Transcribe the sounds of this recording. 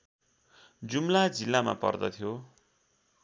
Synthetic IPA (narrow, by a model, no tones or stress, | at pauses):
d͡zumlad͡zilːama̰pʌ̰rd̪ʌ̰t̪ʰjo